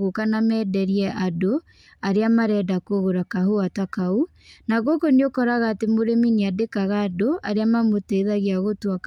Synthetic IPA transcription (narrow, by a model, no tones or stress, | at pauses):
ɣokanamɛːdɛɾiɛʔado | aɾeamaɾɛːdakoɣoɾakaɦoatakau | naɣokoniokɔɾaɣaːtemoɾeminiadekaɣaːdoaɾeamamotɛðaɣeaɣotwak